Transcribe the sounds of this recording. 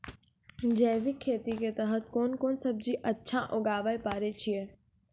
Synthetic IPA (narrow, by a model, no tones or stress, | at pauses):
d͡ʑɐ̃ːʋikʰːeːt̪iket̪ɐɦət̪koːnkoːnsɐb̚d͡ʑiʔɐtːʃʰãʔoɡaːʋaːepaːɾet͡ɕʰie